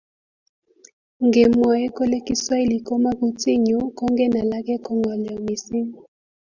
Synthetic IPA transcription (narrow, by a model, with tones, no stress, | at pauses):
ŋɡe˨mwa˨ɛ˦ko˦le˦ki˦swa˦i˦li˨kɔ˦ma˦ku˨ti˦ɲɔ˨˦kɔ˦ŋɡɛ˦na˨la˦kɛ˦kɔ˨ŋɡɔ˨lɛ˨ɔ˨mi˨si˦ŋɔ˨